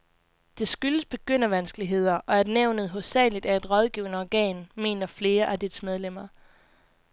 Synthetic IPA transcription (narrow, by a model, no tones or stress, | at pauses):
d̥e̝sɡ̥yləsb̥e̝ɡ̥øn̰ɐʋænsɡ̥əliɦe̝ð̞̰ˠɐʔɒ̽æɐd̥neʊ̰nəð̞̩ˠɦɔsɛ̰ːlid̥æɐe̝d̥ʁɒ̽ð̞ˠɡ̥iʊənəɒɡ̥ɛ̰ːnme̝̰ːnɐfle̝ːɐʔæd̥id̥smeð̞ˠlem̰ɐ